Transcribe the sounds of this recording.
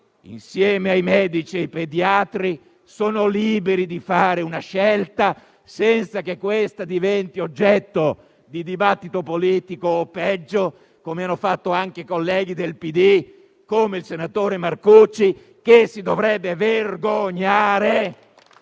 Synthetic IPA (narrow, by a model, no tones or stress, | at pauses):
ḭnsjɛːmeajmɛːd̪it͡ʃiajped̪jat̪ɾi | soːnoliːbeɾid̪ifaːɾeunaʃɛlt̪a | sɛnt̪sakekːwest̪ad̪ivɛnt̪iod͡ʒːɛt̪ːo | d̪id̪ibat̪ːit̪opoliːt̪ikoːpːɛd͡ʒːo | komeanːofat̪ːoaŋkeikolːɛːɡ̟id̪elpid̪i | komeilsenat̪oːɾemarkut͡ʃːi | kesid̪ovɾɛbːeverɡoɲːaːɾe